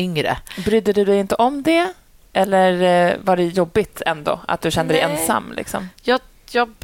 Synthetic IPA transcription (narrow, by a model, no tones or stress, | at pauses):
ʏŋɾə̰bɾʏd̪ːəd̪ɵd̪ɛjɪnt̪əʔɔmd̪ɛ | ʔɛlːəɾvaɖɛjɔbːɪt̪ʰɛnd̪o̰a̰t̪̚d̪ɵɕɛnd̪əd̪ɛ̰jʔɛnsa̰mːlɪ̰ksɔ̰mjɑ | jɑ